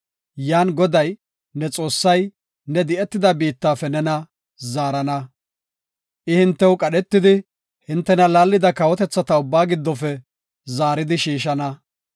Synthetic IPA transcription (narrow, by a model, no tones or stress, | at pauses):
jaːnɡɔd̪ɐj | nɛt͡sʼo̞ːsːɐj | nɛd̪ɪʔɛt̪ːɪd̪ɐbiːt̪ːaːfɛnɛnɐ | zaːɾɐnɐ | ʔɪhɪnt̪ːɛwʊkʼɐɗɛt̪ːɪd̪ɪ | hɪnt̪ːɛnɐlaːlːɪd̪ɐkɐwɔt̪ɛt͡sːɐt̪ɐʊbːaːɡɪd̪ːɔfɛ | zaːɾɪd̪ɪʃiːʃɐnɐ